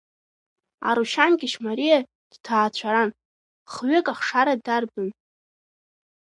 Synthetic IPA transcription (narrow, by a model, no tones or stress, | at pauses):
a̰ɾuʃanɡʲɪʃmaɾija | d̥tʰaːt͡ɕʷʰaɾan | χɥekʼaχʂaɾadarbɨn